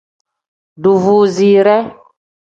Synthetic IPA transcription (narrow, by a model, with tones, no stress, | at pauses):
ɖu˨vu˨zi˨ɾɛ˦